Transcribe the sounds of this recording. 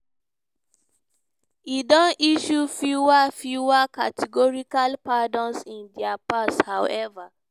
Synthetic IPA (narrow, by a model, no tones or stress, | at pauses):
idɔ̃niʃufuwafjuwakatʰiɡɔɹikalpadɔ̃nsĩndiapashawɛva